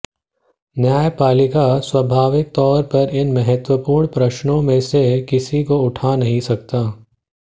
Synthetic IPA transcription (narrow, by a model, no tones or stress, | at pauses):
njaːjpaːlɪkaswɐbʱaːʋɪk̚t̪ɔːɾpɐɾɪnmɐɦət̪wəpuːɾɳ̃pɾɐʃnõmẽsekɪsikoʊʈʰanɐɦĩsɐk̚t̪aː